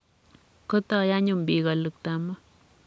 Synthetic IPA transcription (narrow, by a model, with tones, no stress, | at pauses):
ko˦t̪a˦˧ja˦ɲu˨mbi˨ɣa˨lɨ˨k̚t̪a˨ma˦